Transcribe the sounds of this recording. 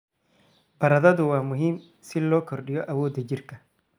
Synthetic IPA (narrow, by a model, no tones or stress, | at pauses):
b̥ɐɾɐðɐðʊwaːmʊɦiːm | sɪlɔːkʰɔɾɗɪjɔʔɐwɔːd̪ɐd͡ʒɪrkɐ